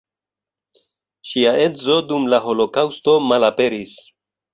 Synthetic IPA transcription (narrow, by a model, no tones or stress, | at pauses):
ʃiaezo̞dumlaɦo̞lo̞kawsto̞malape̞ɾis